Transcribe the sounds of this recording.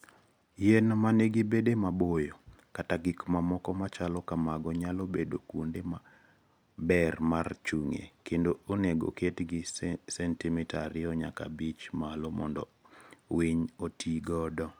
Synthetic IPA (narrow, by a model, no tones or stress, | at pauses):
jenmaneɡibedemabojo | kataɡikmamɔkɔmat͡ʃalɔkamaɡɔɲalobedokwondema | bɛrmart͡ʃuŋḛkendooneɡo̰ketɡɪsɛntimɛtaɾɪɔɲa̰ka̰bit͡ʃmalomɔ̰ndɔ̰wiɲotʰiɡɔdɔ